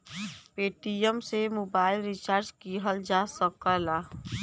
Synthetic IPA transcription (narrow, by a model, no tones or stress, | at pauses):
peːʈijəmsemoːbaːɪlɾɪt͡ʃaːɾd͡ʒkiɦəld͡ʒaːsəkəlaː